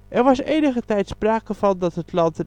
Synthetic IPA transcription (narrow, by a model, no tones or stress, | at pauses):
ʔɛrʋɑsejnəχətɛjtspraːkəvɑndɑtɦətlɑntə